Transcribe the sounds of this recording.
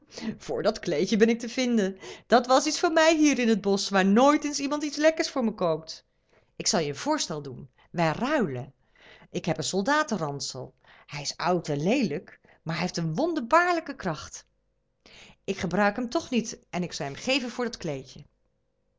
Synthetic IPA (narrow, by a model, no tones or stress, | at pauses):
v̥ʊːɹdɑtklejcəbɛnɪk̚təvɪndənd̥ɑtʋɑsitsfʊːɹmɛjɦiːɾɪnɦəd̚bɔsʋaːɹnoːjtɪnsimɑntitslɛkəɹsfʊːɹməkowk̚t | ʔɪksɑlˠjəənv̥ʊːɹstɛlˠdun | ʋɛjrœɥlə | ʔɪkɦɛpənsɔlˠdaːtərɑnsəlˠ | hɛjɪsɑwtɛnlejlək | maːɹɦɛeftənʋɔndəɹbaːɹləkəkrɑχt | ɪkχəbrœɥkɦɛmtɔχnitʔɛnɪksɑlˠɦɛmχejvənvʊːɹdɑtklejcə